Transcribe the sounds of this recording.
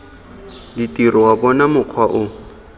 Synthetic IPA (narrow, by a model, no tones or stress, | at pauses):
ditirɔwabɔnamʊq͡χʰwaʔʊ